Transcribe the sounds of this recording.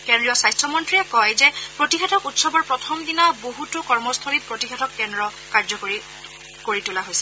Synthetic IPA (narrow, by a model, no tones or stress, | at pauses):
kendɹijɔsajstʰɹɔmɔntɹijɛkɔjzɛpɹotixɛtʰɔkutsɔbɔɹpɹɔtʰɔmdinaboɦutʊkɔɹmɔstʰɔlipɹotixʰɛtʰɔkːɛndɹɔ | kaɹd͡ʒɔkoɹi | koɹitulaɦojsɛ̥